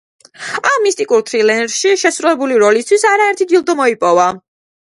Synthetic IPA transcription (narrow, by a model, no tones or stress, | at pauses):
amːist̪ʼikʼuɾt̪ʰɾilɛnɾʃiʃɛsɾuɛbuliɾɔlist̪ʰwisaɾaɛɾt̪ʰid̪ilˠd̪ɔmɔipʼɔva